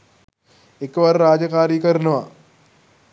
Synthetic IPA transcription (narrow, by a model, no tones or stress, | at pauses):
ekːʋɐɾɾaːd͡ʒɐkaːɾikɐɾnɐʋa